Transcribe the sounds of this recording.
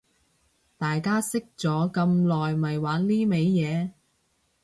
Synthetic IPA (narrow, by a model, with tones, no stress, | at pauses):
t̪aː˨jkaː˥sɪ˥k̚t͡sɔː˨˥kɐ˧mlɔː˨jmɐ˨jwaː˨˥nliː˥me˨˧jːɛː˨˧